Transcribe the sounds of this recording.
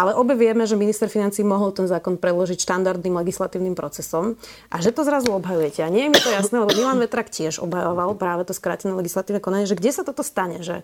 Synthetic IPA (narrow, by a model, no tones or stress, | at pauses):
ʔalɛʔɔbɛʋɪɛmɛʒɛminist̪ɛɾfinant͡siːmɔɦɔlˠt̪ɛnzaːkɔnpɾɛd̪lɔʒicʃt̪and̪aɾd̪niːmlɛɡislat̪iːʊnimpɾɔt͡sɛsɔm | ʔaʒɛt̪ɔzɾazuɔbɦajujɛcɛaɲɪɛjɛmit̪ɔjasnɛːlɛbɔmilaːnʋɛt̪ɾaːkcɪɛʒɔ̰bɦajɔʋalˠpɾaːʋɛt̪ɔskɾaːcɛnɛlɛɡislat̪iːʊnɛkɔnaɲɛʒɛɡɟɛsat̪ɔt̪ɔst̪aɲɛʒɛ̰